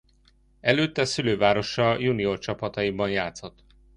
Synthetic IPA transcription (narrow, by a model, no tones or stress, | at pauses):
ɛløːt̪ːɛsyløːvaːɾo̞ʃɒjuniort͡ʃɒpɒt̪ɒjibɒnjaːt̪so̞t̪